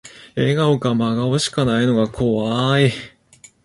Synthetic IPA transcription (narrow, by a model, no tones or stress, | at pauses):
e̞ɡaokamaɡaoɕi̥kanaino̞ɡakʰo̞βai